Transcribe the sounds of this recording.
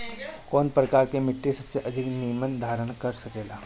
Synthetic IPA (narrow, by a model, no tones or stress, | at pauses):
kɔːnpɾɐkaːɾkemɪʈːesɐbseʔɐd̪ʱɪknijmənd̪ʱaːɾəɽ̃kɐɾsɐkeːlaː